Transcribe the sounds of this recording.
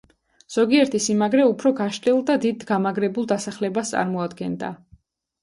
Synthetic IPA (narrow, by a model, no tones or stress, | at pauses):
z̥ɔɡiɛɾt̪ʰisimaɡɾɛupʰɾɔɡaʃt̪ʼɛlˠd̪ad̪id̪ɡamaɡɾɛbulˠd̪asaχlɛbast̪sʼa̰ɾmɔad̪ɡɛnd̪a̰